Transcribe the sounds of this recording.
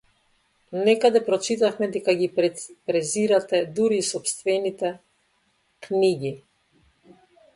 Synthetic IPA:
nɛkad̪ɛpɾɔt͡ʃit̪afmɛd̪ɛkaɡipɾɛziɾat̪ɛd̪uɾiːsɔpst̪vɛnit̪ɛ | kniɡi

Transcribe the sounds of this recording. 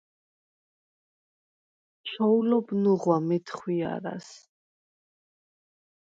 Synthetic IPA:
t͡ʃʰɔulɔbnuʁwamɛt̪ʰχwia̰ɾa̰s

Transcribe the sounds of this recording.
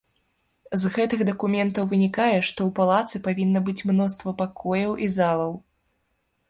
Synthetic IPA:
zɣɛt̪ɨɣd̪ɐkumʲɛnt̪ɐwvɨnʲikajɛʂt̪ɔwpalˠat̪sɨpavʲinːɐbɨt͡sʲmnɔst̪vɐpakʰɔjɐwʔizalˠɐw

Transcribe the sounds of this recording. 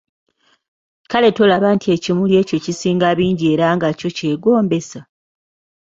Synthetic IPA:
kale̞tolaβaːntʰie̞cimulje̞ːco̞cisiːŋɡaβiːɲɟie̞ːɾaŋɡaco̞ce̞ːɡo̞ːmbe̞sa

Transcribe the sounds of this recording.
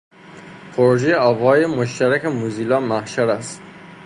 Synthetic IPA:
pʰoɾoʒejeɒːvhɒːjemoʃt̪æɾækʰemuziːlɒːmæhʃæɾæst̪

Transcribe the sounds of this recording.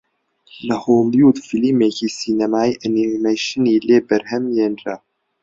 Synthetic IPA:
lɐhoːmjuːd̪filimeːciːsiːnɐmaːiːʔɐnimejʃɨniːleːbɐɾhɛmjeːnra

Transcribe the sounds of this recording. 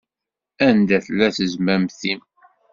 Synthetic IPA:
ænd̪æθəlːæθəzmæmθim

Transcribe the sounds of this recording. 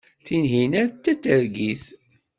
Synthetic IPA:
θinɦinæɾt̪ːæt͡sːəɾɡis

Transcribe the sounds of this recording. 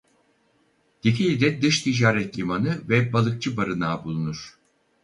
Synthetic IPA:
d̪̥icʰilʲid̪ɛd̪ɯʃt̪ʰid͡ʒaːɾɛt̪lʲimanɯvɛbalˠɯk̚t͡ʃʰɯbaɾɯnaːbulˠunuɾ̥

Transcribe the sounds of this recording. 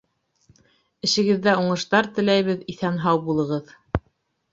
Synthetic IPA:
ɘ̆ʃɘ̆ɡɘ̆ðːæuɴɤ̆ʃt̪ɑɾt̪ɘ̆læjβɘðiθænɦɑwbulˠɤ̆ʁɤð

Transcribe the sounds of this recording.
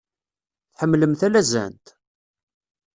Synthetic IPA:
θħəmːləmθælæzæ̰nt̪

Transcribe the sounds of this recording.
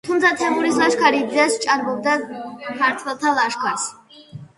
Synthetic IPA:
t̪ʰumt̪sʰat̪ʰɛmuɾislˠaʃkʰaɾid̪zast͡ʃʼaɾbɔb̚d̪amʰaɾt̪ʰwɛlˠt̪ʰalˠaʃkʰaɾs

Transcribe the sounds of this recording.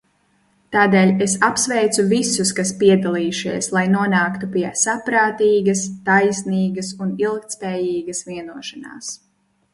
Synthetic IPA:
t̪aːd̪eːlʲesapsvɛjt̪suvisuskaspiɛd̪alˠiːʃiɛslˠajnuɔnaːkt̪upiɛsapɾaːt̪iːɡɐst̪ajsniːɡɐsunilˠkt̪spɛːjiːɡɐsviɛnuɔʃana̰ːs

